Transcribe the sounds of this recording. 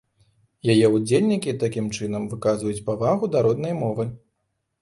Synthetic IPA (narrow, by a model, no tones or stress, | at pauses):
jajɛud͡zʲelʲnʲikʲit̪akʲimt͡ʂɨnɐmvɨkazvɐjut͡sʲpavaɣud̪aɾɔd̪nɐjmɔvɨ